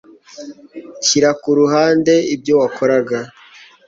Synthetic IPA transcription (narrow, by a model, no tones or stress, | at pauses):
ciɾakuɾuɦaːnde̞ib̚ɟo̞wakʰoɾaɡa